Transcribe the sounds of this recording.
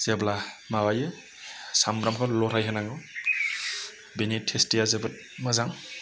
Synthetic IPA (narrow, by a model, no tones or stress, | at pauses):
z̥eblamawajɯ | sambɾamkʰɔlɔɾʰajɦɯnaŋɡɯw | benitʰestijazebɯt̚ | mɯzaŋ